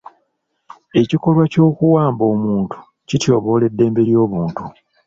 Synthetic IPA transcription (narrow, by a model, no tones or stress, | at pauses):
e̞ciko̞lwaco̞ːkuwaːmbo̞ːmuːntu̥ | citjo̞ːβo̞ːle̞dːe̞ːmbe̞ɾjo̞ːβuːntu